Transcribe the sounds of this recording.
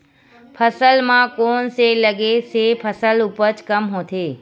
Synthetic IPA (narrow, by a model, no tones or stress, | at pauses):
pʰəsəlmãkonseləɡesepʰəsəlupət͡ʃkəmɦõt̪ʰe